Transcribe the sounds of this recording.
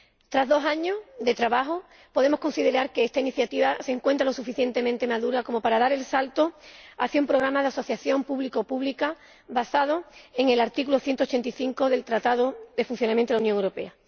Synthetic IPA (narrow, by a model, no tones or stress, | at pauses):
t̪ɾazðo̞saɲo̞ðe̞t̪ɾaβaɦo | po̞ðe̞mohko̞nsiðe̞ɾaɾkeest̪ainiθjat̪iβaseŋkwe̞nt̪ɾalo̞sufiθje̞nt̪e̞ment̪e̞maðuɾako̞mo̞paɾaðaɾe̞lsalt̪oa̰θjaumpɾo̞ɣ̞ɾamaðeaso̞θjaθjo̞mpuβlikopuβlika | βasað̞oe̞ŋe̞laɾt̪ikuloθje̞nt̪ot͡ʃe̞nt̪iθiŋko̞ðe̞lt̪ɾat̪að̞oðe̞funθjonamjent̪ːunjoŋewɾo̞pe̞̰a